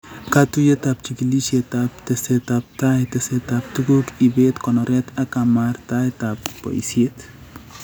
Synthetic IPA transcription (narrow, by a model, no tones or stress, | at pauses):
kat̪ujet̪ap̚t͡ʃikilisjet̪ap̚t̪eset̪ap̚t̪ajt̪eset̪ap̚t̪ukukibet̪kɔnɔɾɛt̪akamaɾt̪ajt̪apːɔ̰ḭsiet̪